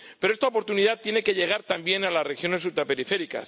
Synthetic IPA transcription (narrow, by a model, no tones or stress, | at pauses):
peɾoest̪aopo̞ɾt̪uniðat̪je̞ne̞keʎe̞ɣ̞aɾt̪ambje̞nalasre̞xjo̞ne̞s̬ult̪ɾape̞ɾife̞ɾika̰s